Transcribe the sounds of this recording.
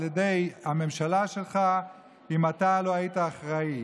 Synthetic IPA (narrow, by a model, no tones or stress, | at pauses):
ljede̞jame̞mʃalaʃe̞lχa | imatalo̞aitaːχʁai